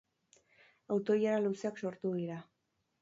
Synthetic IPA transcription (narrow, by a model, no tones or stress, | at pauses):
awt̪o̞jaɾaluseakso̞ɾt̪uðiɾa